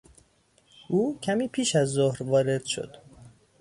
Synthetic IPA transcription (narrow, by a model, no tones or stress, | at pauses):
ʔuːcʰæmiːpʰiːʃæzːohɾvɒːɾe̞d̪̥ʃo̰d̪̥